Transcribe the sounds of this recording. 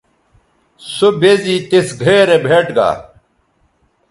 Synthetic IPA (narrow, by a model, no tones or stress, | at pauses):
sobeziːt̪esɡʱeːɾebʱeːʈɡa̰ː